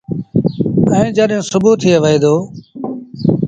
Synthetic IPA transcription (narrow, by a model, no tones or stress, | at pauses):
ə̃ĩːd͡ʒəɗẽːsʊbuːt̪ʰːijeʋəɦeːd̪oː